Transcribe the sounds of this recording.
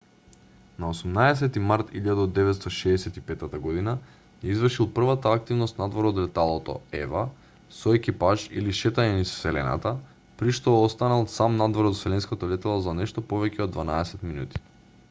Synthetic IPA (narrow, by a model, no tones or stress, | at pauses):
naosumnaɛs̬ɛt̪imaɾt̪ilʎad̪aod̪ːɛvɛt̪st̪ɔʃɛːsɛt̪ipɛt̪at̪aɡɔd̪ina | jɛizvr̩ʃilˠpr̩vat̪aːk̚t̪ivnost̪nad̪vɔɾɔd̪lɛt̪alˠɔt̪ɔ̰ɛ̰va | sɔɛkipaʒḭliʃɛt̪aɲɛnissɛlɛna̰t̪a | pɾiʃt̪oost̪analˠsamnad̪vɔɾɔt̪sɛlɛnskat̪olɛt̪alˠɔzanɛʃt̪ɔpovɛcɛod̪ːvanaɛsɛt̪minṵt̪i̥